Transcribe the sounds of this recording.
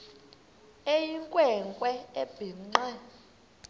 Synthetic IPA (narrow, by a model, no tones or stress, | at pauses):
ejiŋkʼwɛŋkʼwɛeb̥ʱiŋ͡ǃɛ